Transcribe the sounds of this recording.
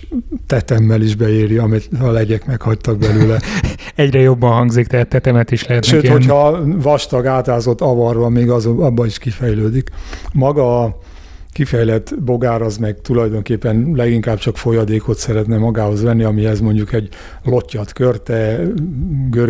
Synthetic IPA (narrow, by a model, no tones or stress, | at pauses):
t̪ɛt̪ɛmːɛliʒbɛeːɾiɒmit̪ɒlɛɟɛkmɛkhɒct̪ɒɡ̚bɛløːlɛɛɟrɛjo̞bːɒnɦɒŋɡzikt̪ɛɦaːt̪ːɛt̪ɛmɛt̪iʃlɛɦɛt̪ʃnɛøːho̞chɒvɒʃt̪ɒɡaːt̪aːzo̞t̪ːɒvɒrvɒmeːɡɒzoɒbːɒniʃkifɛjløːd̪ikmɒɡɒ | kifɛjlɛt̪ːbo̞ɡaːɾɒzmɛɡt̪ulɒjd̪o̞ŋkeːpːɛnlɛɡiŋkaːbt͡ʃɒkfo̞jɒd̪eːko̞t̪sɛɾɛt̪nɛmɒɡaːho̞zʋɛnːiɒmiɛzmo̞ɲɟukɛɟ | lo̞cːɒt̪kørt̪ɛ | ɡøɾ